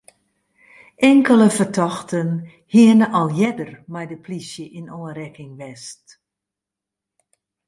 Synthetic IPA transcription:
ʔɛŋkələfərtʰɔxtən | hiənəʔɔlˠjɛdərmɛjdəpʰlisjəʔinoənrɛkɪŋʋɛst

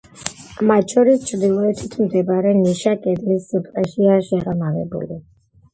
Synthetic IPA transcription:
mat̪ʃɔɾist͡ʃʰɾd̪ilˠɔɛt̪ʰit̪ʰmd̪ɛbaɾɛniʃakʼɛd̪lisːup̪ʼlaʃiaʃɛʁamavɛ̰bṵlḭ

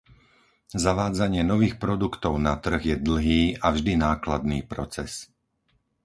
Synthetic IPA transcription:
zaʋaːd͡zaɲɪɛnɔʋiːxpɾɔd̪ukt̪ɔʊnat̪r̩ɣjɛd̪l̩ˠɦiːʔavʒd̪inaːklad̪̚niːpɾɔt͡sɛs

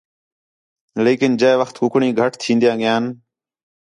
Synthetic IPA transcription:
leːkɪnd͡ʒeːʋəxt̪ɦʊkɳĩːɡʱəʈʰt̪ʰːĩːnd̪ijãːɠɪjaːn

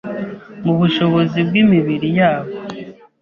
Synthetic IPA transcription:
muβuʃo̞βo̞zibɡimiβiɾijaːβo

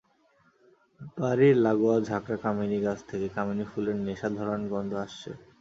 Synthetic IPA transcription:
baɾiɾlaɡoad͡ʑʱakɾakaminiɡat͡ɕʰt̪ʰekekaminifuleɾneʃad̪ʱɔɾonɡɔnd̪ʱoaʃt͡ɕʰḛ

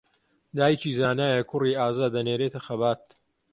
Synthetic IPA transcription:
d̪aːjt͡ʃiːzaːnaːjɐkʰʊriːaːzaːd̪ːɐneːɾeːt̪ʰɐxɐbaːt̪

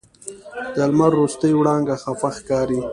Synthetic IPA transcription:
d̪̥əlmaɾːust̪əjwɽɑŋɡaxafaxkɑːɾi

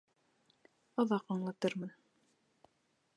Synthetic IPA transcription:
ɑðɑqɑɴlˠɑt̪ɤɾmɤn

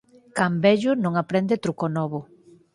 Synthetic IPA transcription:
kambɛʎʊnõŋapɾɛnd̪et̪ɾukonɔβʊ

